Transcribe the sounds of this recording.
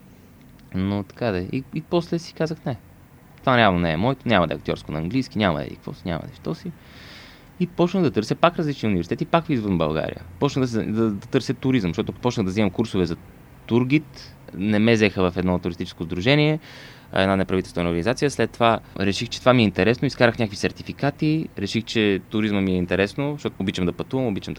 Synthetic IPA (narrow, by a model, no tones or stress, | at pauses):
not̪ɐ̥kad̪ɛḭipɔslɛsi̥kazəxnɛ | t̪ovaɾɛavnonɛɛmɔɛt̪onʲamɐəd̪ɛ̰ɐk̚t̪ʲɔ̰ɾskonɐːŋɡlijskinʲamə̰ɛ̰ḭkkvɔ̰siɲʲa̰mɐ̰d̪ɛ̰ʃt̪ɔsi | ipɔt͡ʃnəɣd̪ɐt̪ɤɾsɛpakɾɐzlit͡ʃniəunivɛɾsit̪ɛt̪ipakfizvənbɐ̰lˠɡa̰ɾḭjə̰pɔt͡ʃnəɣd̪sd̪ɐd̪ɐt̪ɤɾsɛt̪uɾizəmʃt̪ɔt̪ʊpɔt͡ʃnəɣd̪ɐzimɐmkuɾsovɛzɐ | t̪uɾɡit̪ | nɛmɛzɛxəvɐfɛd̪nɔt̪ʊɾist̪it͡ʃɛ̥skozd̪ɾuʒɛniɛ | ɐ̰ɛ̰d̪nanɛpɾɐvit̪ɛlst̪vɛnoɾɡənizat̪sijəslɛt̪ːovaɾɛʃixt͡ʃɛt̪ovamiɛint̪ɛɾɛsnoiskaɾəxnʲɲʲakvi̥sɛɾt̪ifikat̪iɾɛʃixt͡ʃɛt̪ʊɾizməmiɛint̪ɛɾɛsnoʃt̪ɔt̪ːbit͡ʃəmd̪ɐpɐt̪uvəmobit͡ʃəmd̪